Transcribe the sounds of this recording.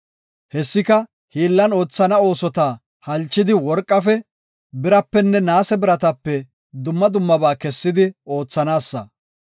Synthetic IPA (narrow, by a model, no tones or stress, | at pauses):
hɛsːɪkɐ | hiːlːɐno̞ːt͡sːɐnɐo̞ːsɔt̪aː | hɐlt͡ʃːɪd̪ɪwɔɾkʼːɐfɛ | bɪɾɐpːɛnːɛnaːsɛbɪɾɐt̪ɐpːɛ | d̪ʊmːɐd̪ʊmːɐbaːkɛsːɪd̪ɪo̞ːt͡sːɐnaːsːɐ̰